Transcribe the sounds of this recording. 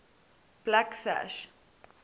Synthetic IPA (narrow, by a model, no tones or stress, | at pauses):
b̥laksæ̰ʃ